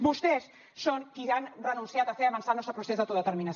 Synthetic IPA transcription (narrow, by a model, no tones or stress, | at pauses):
bust̪esː | oŋkianrənũnsiat̪əfeɾɐβansalnɔst̪ɾəpɾusezðət̪oðət̪əɾminas